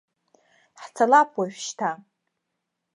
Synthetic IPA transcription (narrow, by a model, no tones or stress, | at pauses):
ħt͡sʰalapʰʼwaʒʷᶣʃtʰa